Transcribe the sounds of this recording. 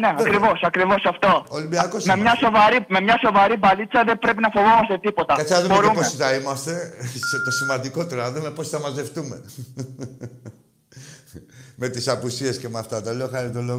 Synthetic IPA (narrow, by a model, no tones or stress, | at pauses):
neɐkɾivo̞sɐkɾivo̞sɐft̪o̞olimbiɐkosmemɲɐsovɐɾime̞mɲɐso̞vɐɾibɐlit͡sɐðe̞bɾe̞p̬inɐfo̞vomɐst̪e̞t̪ipo̞t̪ɐkɐt͡sɐnɐðumbeɾumpoeθɐimɐst̪e̞set̪o̞simvɐnd̪iko̞t̪eɾɐnɐðume̞posθɐmɐze̞ft̪ume̞ | me̞t̪isɐpusiescemeɐft̪ɐt̪ɐleoxɐɾit̪oloɣ